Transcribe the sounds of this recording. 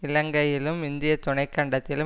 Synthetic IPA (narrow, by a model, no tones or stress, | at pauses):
ɪlɐŋɡɐjɪlɯmɪnd̪ɪjɐt̪ːʊɳɐɪkːɐɳɖɐt̪ːɪlɯ